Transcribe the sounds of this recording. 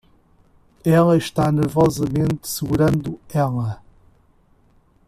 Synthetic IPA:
ɛlˠɐʃt̪anɨɾvɔzɐmẽnt̪sɨɣuɾɐ̃nd̪uɛlˠɐ

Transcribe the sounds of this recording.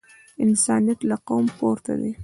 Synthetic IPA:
ɪnsɑnijat̪laqowmpoɾt̪ʰa̰d̪e

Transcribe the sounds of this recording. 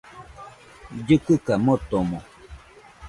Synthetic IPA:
d͡ʒɨkɨkamot̪omo

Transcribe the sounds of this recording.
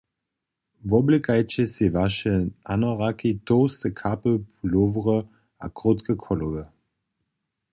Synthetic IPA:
vɔbləkajt͡ɕɛsevaʃəanɔʁakit̪owst̪əkʰapəpulovʁə | a̰kʁot̪kəkʰɔlovə

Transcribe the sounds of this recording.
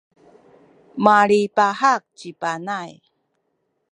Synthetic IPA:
maɭipahak̚t͡ɕipanaj

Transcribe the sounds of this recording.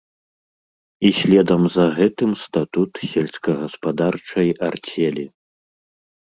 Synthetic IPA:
isʲlʲɛd̪ɐmzɐɣɛt̪ɨmst̪at̪ut̪sʲɛlʲskɐɣɐspad̪art͡ʂɐjart͡sʲɛlʲi

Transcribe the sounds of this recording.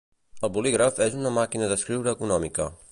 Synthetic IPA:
əlˠβuliɣɾəfezunəmakinəðəskɾiwɾəːkunɔmikə̰

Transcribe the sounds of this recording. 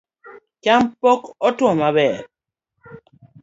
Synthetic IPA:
t͡ʃampokɔtwɔmabɛɾ

